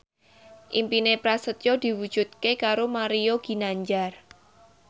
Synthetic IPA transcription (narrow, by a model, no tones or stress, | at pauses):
ʔimpinepɾasət̪jod̪̥i̤wud̥d͡ʒ̥ṳt̪̚kekaɾomaɾioɡ̥i̤naɲd͡ʒar